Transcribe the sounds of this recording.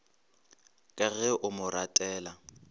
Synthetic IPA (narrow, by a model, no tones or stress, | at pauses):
kʼɛɣɛʔʊmʊɾatʼɛːla